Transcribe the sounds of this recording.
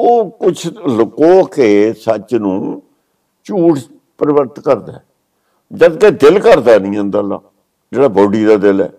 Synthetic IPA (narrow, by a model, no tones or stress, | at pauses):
oːkʊt͡ʃʰlʊkːoːkeːsət͡ʃnũː | t͡ʃuːʈʰ | pəɾɪʋəɾt̪kəɾd̪aː | d͡ʒəd̪keːd̪ɪlkəɾd̪aːnĩːõːnd̪aːlːa̰ː | d͡ʒeːɽaːbɔːɖiːd̪aːd̪ɪlɛ̰ː